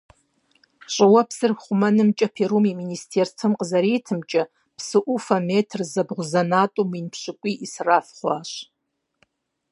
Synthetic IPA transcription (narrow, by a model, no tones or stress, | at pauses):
ɕʷʼawapʰsɨrχʷʊmanɨmt͡ʃʼapʰeɾumiministʰertʰɨmqʼzaɾitʰɨmt͡ʃʼa | pʰsɨʔufametʰrzabʁʷzanatʼuminpʰʃʷɨkʷʼiisrafχʷaʃʷ